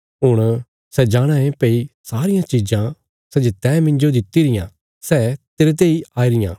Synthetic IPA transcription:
ɦʊɽ̃ | sɛd͡ʒaːɽ̃ãːẽpeːisaːɾɪjãt͡ʃiːd͡ʒã | sɛd͡ʒet̪ɛ̃ːmɪ̃ɲd͡ʒod̪ɪt̪ːiɾɪjã̰ː | sɛːt̪eɾet̪̬eːiaːiɾɪjã̰ː

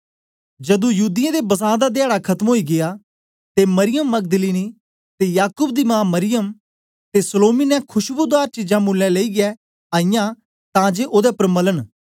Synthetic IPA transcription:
d͡ʒəd̪ũjuːd̪ɪjɛ̃ːd̪ebəsãːd̪ad̪ɪaːɽakʰət̪əmoːiːɡɪjaː | t̪eːməɾɪjəmːəɡ̚d̪əliːniː | t̪eːjaːkʊːbd̪iːmãːməɾɪjəm | t̪eːsəloːmiːnɛ̃kʰʊʃbud̪aːɾt͡ʃid͡ʒãːmʊlːɛ̃ːleiːɡɪɛː | aːijãː | t̪ãːd͡ʒeːʔoːd̪ɛːpəɾmələn

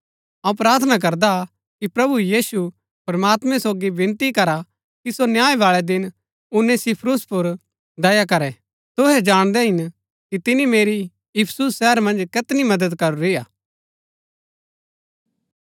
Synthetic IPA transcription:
ɐ̃ũpɾaːɾt̪ʰənak̬ɐɾd̪a | kipɾɐbujiːsu | pɐɾmaːt̪mɛ̃soːɡibɪnt̪ikɐɾa | kisonjaːeʋaːɭɛd̪ɪn | ʊnɛ̃sɪpʰɾʊspʊɾ | d̪ɐjakɐɾɛ | t̪ʊɦɛd͡ʒaːɽ̃d̪ɛɦɪn | kit̪ɪnimeːɾi | jʊpʰsusːɛːəɾmɐ̃nd͡ʒkɪt̪nimɐd̪əd̪kɐɾoɾɪjaː

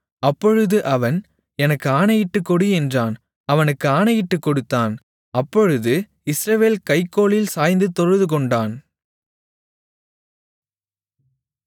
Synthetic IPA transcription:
ɐpːɔɻɯðɯʔɐʋɐn | ɛnɐkːɯaːnɐjɪʈːɯkːɔɽɯɛndraːn | ɐʋɐnɯkːɯaːnɐjɪʈːɯkːɔɽɯt̪ːaːn | ɐpːɔɻɯðɯ | ɪsɾɐʋeːlkɐɪkːoːɭɪlsaːjnd̪ɯt̪ɔɻɯðɯk̬ɔɳɖaːn

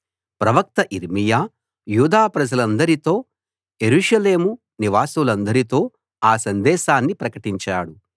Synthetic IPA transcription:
pɾɐʋɐk̚t̪ɐʔiɾmijaː | juːd̪aːpɾɐd͡ʒɐlɐnd̪ɐɾit̪o̞ː | jeɾuːʂɐle̞ːmu | niʋaːsulɐnd̪ɐɾit̪o̞ː | aːsɐnd̪ɛːʃaːnːipɾɐkɐʈiɲt͡ʃaːɽu

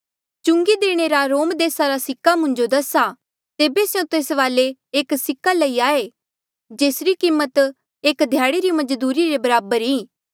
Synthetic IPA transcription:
t͡ʃʊ̃ŋɡid̪eːɽ̃eːɾaɾoːmd̪eːsaɾasɪkːamʊ̃ɲd͡ʒod̪ɐsa | t̪eːbesjõt̪eːsʋaːleeːksɪkːaləiaːe | d͡ʒeːsɾikiːmːət̪ | eːkd̪ʱjaːɽiɾimɐd͡ʒd̪uːɾiɾebɐɾaːbəɾiː

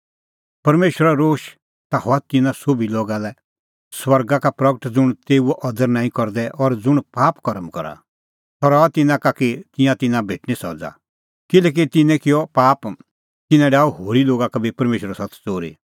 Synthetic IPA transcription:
pɐɾmeːʃwəɾaɾoːʃ | t̪ahɔat̪ɪnãsobʱiloːɡalɛ | swɐɾɡakapɾɐɡəʈd͡zʊɽ̃t̪eːuɛʔɔd̪əɾnãːĩkɔɾd̪ɛʔɔɾd͡zʊɽ̃paːpkɔɾəmkɔɾa̰ | t̪ɔɾɔat̪ɪnãkakit̪ɪ̃jãt̪ɪnãbʱeːʈñisɔ̰d͡za̰ | kɪlɛːk̬it̪ɪnɛ̃kɪjɔpaːp | t̪ɪnɛ̃ɖaːuɦoːɾiloːɡakabipɐɾmeːʃɾasɐt̪t͡soːɾḭ

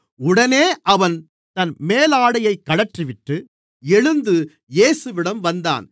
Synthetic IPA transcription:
ʊɽɐneːʔɐʋɐn | t̪ɐnmeːlaːɽɐjɐɪkːɐɭɐʈriʋɪʈːɯ | ɛɻɯnd̪ɯ | jeːsɯʋɪɽɐmʋɐnd̪a̰ːn

